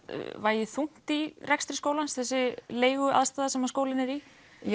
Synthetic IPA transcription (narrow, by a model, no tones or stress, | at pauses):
vaːjɪθuŋ̥t̪irɛkst̪ɾɪskowlansθɛsːɪleːjɣʏʔa̰ðst̪aːðasɛmːaskoːwlɪnɛɾi